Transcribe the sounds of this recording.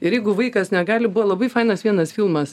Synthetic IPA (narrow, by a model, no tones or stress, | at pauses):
ɪɾjɛɪɡʊʋɐɪkɐsnʲɛɡɑːlʲɪbuʋɐlˠɐbɐɪfɐɪnɐsʋʲiɛnɐsfʲilˠmɐs